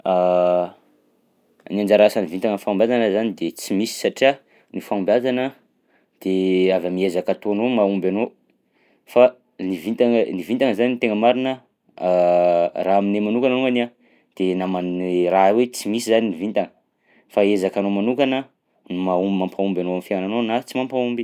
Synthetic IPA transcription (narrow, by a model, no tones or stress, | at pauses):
a | niand͡ʒaɾasanivint̪aŋənfaumbʲazanəzanid̪et͡simisi̥saʈ͡ʂia | nifaumbazanə | d̪̥eavamiezakat̪oanomaumbano | fa | nivit̪aŋənivint̪aŋəzanint̪eŋəmaɾinə | raaminemanukananuŋana | d̪̥enamarawet͡simisizaninivint̪aŋə̥ | faezakanomanukanə | numaumampʰaumbʲanoamifaananonat͡simampaumbi